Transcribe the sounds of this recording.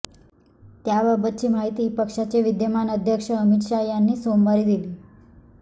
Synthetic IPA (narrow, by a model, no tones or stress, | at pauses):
t̪jabəbətːɕimaɦit̪ipəkʃat͡ʃeʋid̪jəmanəd̪ʱjəkʂəəmit̪ʃajanːisombaɾid̪ili